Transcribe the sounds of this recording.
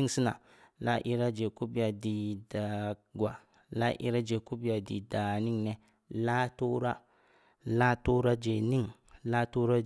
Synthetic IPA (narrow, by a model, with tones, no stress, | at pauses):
i˦˨si˦na̰˨ | la˦ʔi˦ɾa˦d͡ʒe˨ku˦bi˦a˨di˨da˨ɡʷa˨ | la̰˦ʔḭ˦ɾa˦d͡ʒe˨ku˦bi˦ja˨dḭ˨da˨ni˦ŋnɛ˦ | la˦to˦ɾa˦ | la˦to˦ɾa˦d͡ʒe˨ni˦ŋ | la˦to˦ɾa˦